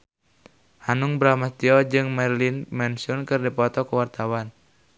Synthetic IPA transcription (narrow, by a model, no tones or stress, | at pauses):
hanuŋbɾamast̪iɔd͡ʒɨŋmɛrlinmɛnsunkɨrdipɔt̪ɔkuwart̪awan